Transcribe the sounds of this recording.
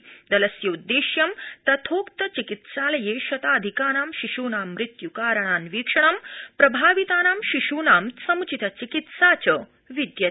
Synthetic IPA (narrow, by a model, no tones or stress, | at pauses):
d̪ɐlɐsjɐud̪ːeːɕjɐmt̪ɐt̪ʰoːkt̪ɐt͡ɕikit̪saːlɐjeːɕɐt̪aːd̪ʱikaːɾaːmʃiʂuːnaːmːɾɪt̪jukaːɾɐɳ̃aːnʋiːkʂɐɳ̃ɐmpɾɐbʱaːʋit̪aːnaːmʃiʂuːnaːmsɐmt͡ɕit̪ɐt͡ɕikit̪saːt͡ɕɐ | ʋid̪jɐ